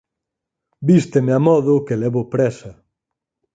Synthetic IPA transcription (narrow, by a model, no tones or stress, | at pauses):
bist̪emeamɔðʊkelɛβʊpɾɛsɐ